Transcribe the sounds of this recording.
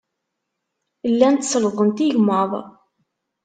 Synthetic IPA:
lːænt̪sləðˤənt̪iʝməðˤ

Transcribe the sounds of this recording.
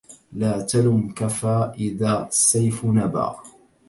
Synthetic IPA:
laːt̪alʊmkafaːʔɪðaːʔasːajfnaba̰ː

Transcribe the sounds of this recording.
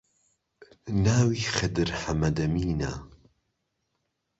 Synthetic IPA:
naːwiːxɐd̪ɨɾħɐmɐd̪ɐmiːna

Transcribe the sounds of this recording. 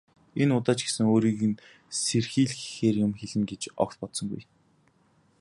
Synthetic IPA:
enʊt̪aːt͡ɕɡesɘ̆ŋoːɾiːɣɘ̆n | serxiːɮxixeːrjʊmxeɮɘ̆ŋɡet͡ɕɔ̰kt̪̚pɔt̪sɞ̆ŋɡṵj

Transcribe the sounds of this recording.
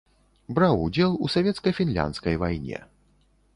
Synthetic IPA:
bɾawud͡zʲɛlˠusavʲɛt̪skɐjfʲinlʲa̰nt̪skɐjvajnʲɛ̰

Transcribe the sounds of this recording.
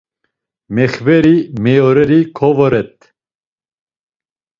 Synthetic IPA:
mɛxvɛɾimɛjoɾɛɾikʰɔvɔɾɛt̪̚

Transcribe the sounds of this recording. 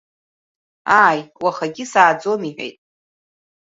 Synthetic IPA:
aːjwaχaɡʲɪsaːd͡zo̞miħʷᶣḛjtʼ

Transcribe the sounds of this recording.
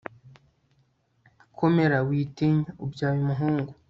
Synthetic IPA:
akʰomeɾawitiɲaubjaːjumuɦuːŋɡu

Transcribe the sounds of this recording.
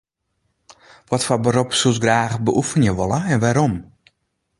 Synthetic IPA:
ʋɔtfabəɾopsusɡraːɣbəʔufənjəʋolˠəɛnʋaɾom

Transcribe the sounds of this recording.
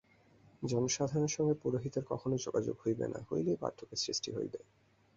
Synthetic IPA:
d͡ʑɔnoʃad̪ʱaɾoneɾʃɔŋɡepuɾoɦit̪eɾkɔkʰonod͡ʑoɡad͡ʑo̰ɡhojbḛna̰ɦo̰jlejba̰ɾt̪ʰokesɾisʈiɦo̰jb̪e

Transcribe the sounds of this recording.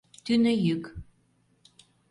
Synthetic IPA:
t̪ynəjyk

